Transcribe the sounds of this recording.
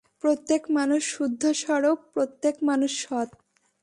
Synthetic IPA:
pɾot̪ːekmanuʃʃud̪ʱːoʃɔɾok̚pɾot̪ːekmanuʃʃɔt̪̚

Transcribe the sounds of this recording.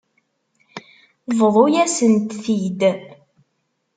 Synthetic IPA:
vðˤojæsənt̪θid̪

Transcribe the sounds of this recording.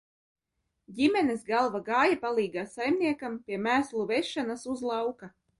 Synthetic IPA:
ɟʲimɛnesɡalˠvaɡɑːjapalˠiːɡaːsajmnʲiɛkampʲiɛmæːslˠuvɛʃːanasuzlˠɑwka

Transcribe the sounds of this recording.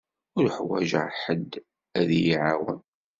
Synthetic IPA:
ʊɾħwæʒəʕħəd̪ː | æðjiʕawə̰n

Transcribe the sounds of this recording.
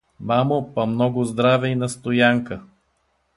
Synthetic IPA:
mamopɐmnɔɡʊzd̪ɾavɛinɐst̪ojaŋkə

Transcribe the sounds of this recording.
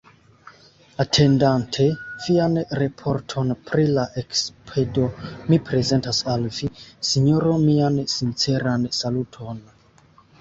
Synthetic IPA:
atʰe̞ndantʰe̞vianɾepʰo̞ɾtʰo̞npɾilaʔekspʰedo̞mipɾe̞ze̞ntasalvisiɲoɾo̞miansint͡se̞ɾansalutʰo̞n

